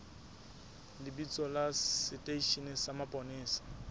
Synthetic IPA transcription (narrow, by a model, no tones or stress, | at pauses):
lɪbit͡sʼɔlaɪtʼeiʃinɪsamapʼɔnɪːsḁ